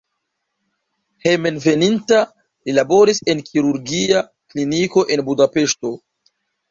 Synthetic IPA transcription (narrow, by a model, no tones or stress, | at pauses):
he̞me̞nve̞ninta | lilabo̞ɾise̞nkʰiɾuɾɡia | kliniko̞ʔe̞nbudape̞ʃto̞